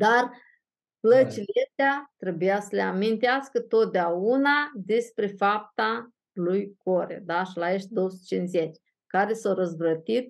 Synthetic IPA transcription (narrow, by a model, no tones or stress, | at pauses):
d̪ar | plət͡ʃileʃt̪eat̪ɾe̞bujasəleamint̪easkət̪o̞t̪̚d̪eaunad̪e̞spɾe̞fap̚t̪a | lujko̞ɾḛd̪aʃilaeʃt̪̚d̪owəsu̥t̪t͡ʃinzet͡ʃ | kaɾe̞sawɾəzbət̪it̪